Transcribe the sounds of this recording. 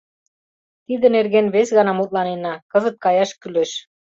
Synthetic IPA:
t̪id̪ənerɣenβesɣɑnɑmut̪̚lɑnenɑkəzət̪̚kɑjɑʃkyleʃ

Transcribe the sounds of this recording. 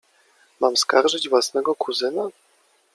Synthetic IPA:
mamskaɾʐɘd͡ʑvwasnɛɡɔkʰuzɘna

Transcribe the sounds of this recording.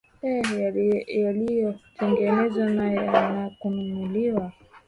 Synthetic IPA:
ɛ | jalijɔtʰɛŋɡɛnɛzanajɔnakununuliwa

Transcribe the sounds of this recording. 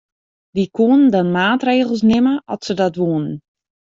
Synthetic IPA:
ʋikuənəndɔnmaːtreːɣəlˠsnɪməʔɔtsədɔtʋoːnən

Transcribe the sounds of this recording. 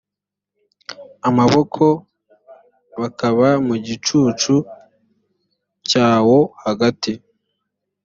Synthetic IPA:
amaβo̞kʰo̞ | βakaβamuɟit͡ʃuːt͡ʃu | caːwo̞haɡati

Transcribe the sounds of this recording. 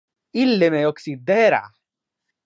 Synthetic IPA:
ilːemɛjɔksid̪ːɛːɾa̰

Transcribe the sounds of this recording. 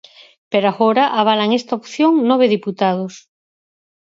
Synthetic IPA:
peɾaɣoɾaʔaβ̞alaŋest̪aopθjoŋnoβ̞eðiput̪aðos

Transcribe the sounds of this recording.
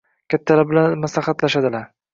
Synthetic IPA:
kʲʰat̪ʰːalabɪlanmaslaχat̪laʃad̪ɪlaɾ

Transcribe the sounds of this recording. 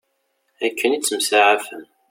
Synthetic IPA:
ækʰːənit͡sːəmsaʕafəm

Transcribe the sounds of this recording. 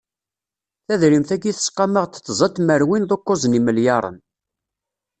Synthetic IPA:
θæðɾimθæɡiθə̥sqːɑməʁt̪t͡sːzˤət̪ːməɾwinðˤokːozˤniməljɑɾˤə̰n

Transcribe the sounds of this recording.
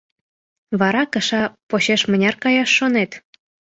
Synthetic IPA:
βɑɾɑkəʃɑpoɕeʃmənʲɑrkɑjɑʃːonet̪

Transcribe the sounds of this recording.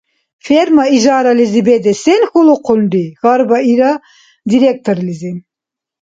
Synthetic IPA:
fɛɾmaiʒɑːɾɑlizibɛd̪ɛsɛnxulˠuqʰund̪iɣɑɾbɑiɾɑ | d̪iɾɛk̚t̪ʰoɾlizi

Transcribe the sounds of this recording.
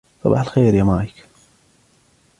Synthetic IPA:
sˤɑ̰bɑ̰ħalxeːɾjamaːjɪk

